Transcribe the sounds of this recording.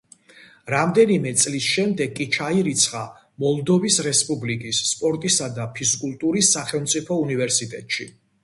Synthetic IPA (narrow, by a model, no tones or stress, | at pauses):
ɾamd̪ɛnimɛt̪sʼlisʃɛmd̪ɛɡkʼːit͡ʃʰaiɾit̪sʰχa | mɔlˠd̪ɔvisɾɛspʼublikʼisːpʼɔɾt̪ʼisad̪apʰiskʼulˠt̪ʼuɾisːaχɛlˠmt̪sʼipʰɔunivɛɾsit̪ʼɛt̪ʼʃi